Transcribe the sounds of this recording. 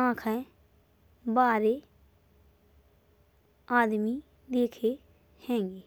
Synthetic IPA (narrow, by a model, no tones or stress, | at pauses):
ãːkʰɛ̃ː | baːɾeː | aːd̪miː | d̪eːkʰeː | hɛ̃ːŋɡeː